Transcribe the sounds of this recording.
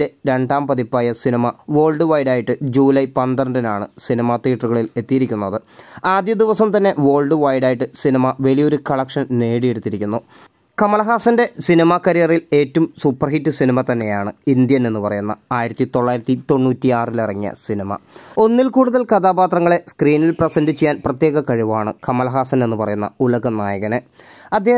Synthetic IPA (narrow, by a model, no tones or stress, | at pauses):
eɾe̞ɳɖaːmpɐðipːaːjɐsinimɐʋo̞ːlɖɨʋɐjɖaːjiʈːɨd͡ʑuːlɐjpɐnd̪ɐrɐndɐnaːɳɨ̰sinimat̪iːʈɐruɣɐɭile̞t̪ːijiɾikʲːunːɐðɨaːd̪jɐd̪iʋɐsɐmt̪ɐnːe̞ʋo̞ːɭɖɨʋɐjɽaːjiʈːɨsinimɐʋɐlijo̞ɾukɐɭɐkʂɐnne̞ːɽije̞ɽut̪ːiɾikʲːunːu | kɐmɐɭɐɦaːsɐnde̞sinimakɐɾijɐrile̞ːtːumsupːɐrhitːɨsinimɐt̪ɐnːe̞jaːɳɨind̪jɐne̞nːɨpɐrɐ̰junːɐ̰aːjiɾɐt̪ːit̪o̞ɭːaːjiɾɐt̪ːit̪o̞ɳːuːtːiaːrilirɐŋːijɐ̰sinimɐ̰o̞nːilkuːɽuðɐlkɐd̪aːbaːt̪rɐŋːɐɭe̞skriːnilprɐsɐndit͡ɕːijːaːnprɐt̪je̞ːɣɐkɐɻiʋaːɳɨkɐmɐlɐɦaːsɐne̞nːɨpɐrɐjunːɐ̰ulɐɣɐnaːjɐɣɐne | ɐd̪je